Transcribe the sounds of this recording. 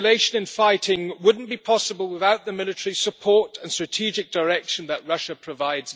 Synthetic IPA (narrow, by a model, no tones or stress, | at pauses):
leɪʃə̃nɨ̃nfaɪtɪ̃ŋwʊdⁿn̩b̥ipʰɒsəbəlˠwɪðaʊʔ̪̚ðəmɪlˠɨtəɹisəpʰɔɹtə̃nstɹ̥ɨtʰid͡ʒɪk̚d̥əɹɛkʃə̃nðəʔɹʌʃəpʰɹ̥əvaɪdz̥